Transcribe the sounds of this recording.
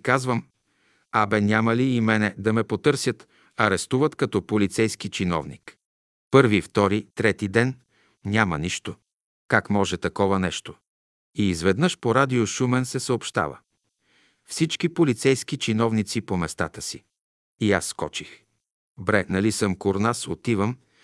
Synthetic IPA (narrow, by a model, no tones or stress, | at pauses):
kazvəm | abɛnʲaməliːmɛnɛd̪ɐmɛpot̪ɤɾsʲjət̪ | ɐɾɛst̪uvət̪kɐt̪ɔpolit̪sɛjsk̟it͡ʃinɔ̰vnḭk | pɤɾvift̪ɔɾit̪ɾɛt̪id̪ɛn | nʲaməniʃt̪o | kakmɔʒɛt̪ɐkɔvənɛʃt̪o̥ | iːzvɛd̪nɤʃpoɾad̪ioʃumɛnsɛsəopʃt̪a̰və̰ | fsit͡ʃkipolit̪sɛjsk̟it͡ʃinɔvnit̪sipomɛst̪a̰t̪əsi | iasːkɔ̰t͡ʃix | bɾɛnɐlisəmkoɾnasot̪ivəm